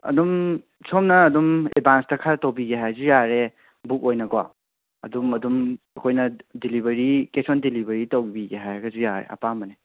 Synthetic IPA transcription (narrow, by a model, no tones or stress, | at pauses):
ɐ̰dum | sʰomnɐːdumḛbʱanstɐkʰaɾtowbiɡeɦajzujaɾe | buk̚ojnɐɡwa | ɐ̰dumɐdumɐkʰojnɐdilibɐɾikesondilibɐɾitowbibiɡeɦajaɡɐzujaɾḛɐ̰pamɐne